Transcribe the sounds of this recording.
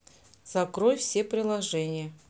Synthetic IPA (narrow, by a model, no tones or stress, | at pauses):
z̥ɐkɾojfsʲe̞pɾʲɪlˠɐʐɛnʲɪjə